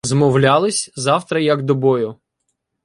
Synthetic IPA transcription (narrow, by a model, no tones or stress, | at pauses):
zmɔwlʲalˠɪsʲzɑwt̪ɾɐjɐɡd̪ɔbɔjʊ